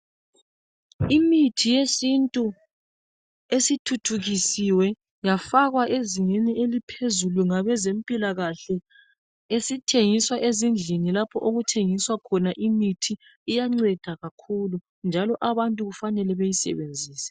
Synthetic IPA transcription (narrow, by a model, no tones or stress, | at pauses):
imitʰijesintʼu | esitʰutʰuɣisiwɛ | jafaɣwaʔeziŋenielipʰezulwiŋaβɛzempʼilaɣaɬɛ | esitʰeŋiswaʔezind͡ɮʱinilapʰɔʔoɣutʰeŋiswakʰɔnaʔimitʰiː | jaŋ͡ǀɛd̥ʱaɣakʰulu | nd͡ʒʱalɔʔaβantʼuɣufanɛlɛβejisɛ̰βend͡zʱiːsɛ̥